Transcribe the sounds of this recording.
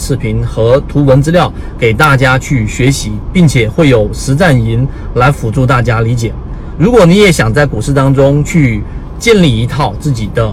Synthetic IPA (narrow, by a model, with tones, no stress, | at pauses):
ʂʰɻ̩˥˩pʰi˧˥nxɤ˧˥t̪ʰu˧˥wə˧˥nt͡sɹ̩˥ljɑ˥˩ʊ | ke˨˩ɪt̪a˥˩t͡ɕja˥t͡ɕʰy˥˩ɕɥɛ˧˥ɕi˧˥pi˥˩ŋt͡ɕʰjɛ˨˩xwe˥˩ɪjo˨˩ʊʂɻ̩˧˥t͡sa˥˩ni˧˥nla˧˥ɪfu˨˩ʈ͡ʂu˥˧t̪a˥˩t͡ɕja˥li˧˥t͡ɕjɛ˨˩˦ | ɻu˧˥kwɔ˨˩ni˧˥jɛ˨˧˥ɕjɑ˨˩ŋt͡sa˥˩ɪku˨˩ʂɻ̩˥˩t̪ɑ˥ŋʈ͡ʂʊ˥ŋt͡ɕʰy˥˧ | t͡ɕjɛ˥˧nli˥˩i˧˥t̪ʰɑ˥˧ʊt͡sɹ̩˥˩t͡ɕi˨˩d̪ə˦